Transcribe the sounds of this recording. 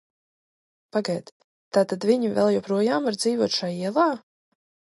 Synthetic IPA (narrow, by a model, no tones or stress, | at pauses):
paɡajt̪ | t̪aːt̪ad̪vʲiɲivɛ̰lˠjɔpɾuɔjaːmvaɾd̪ziːvuɔt̪ʃajiɛlˠaː